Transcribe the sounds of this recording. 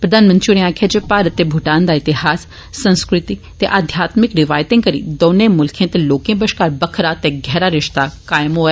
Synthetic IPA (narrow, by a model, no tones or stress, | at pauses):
pɾəd̪ʱaːnmə̃nt̪ɾiuɽẽãːkʰed͡ʒepaːɾət̪ːeːbʱʊʈaːnd̪aːɪt̪ɪhaːsː | ə̃nskɾɪt̪i | t̪eʔaːd̪ʱjaːt̪mɪkɾɪʋaːjt̪ɪ̃ːŋkəɾḭːd̪oːnẽːmʊlkʰẽːt̪eloːkẽːbəʃkaːɾbəkʰɾaːt̪eɡʱɛːɾaːɾɪʃt̪aːkaːjɪmɦoːɛ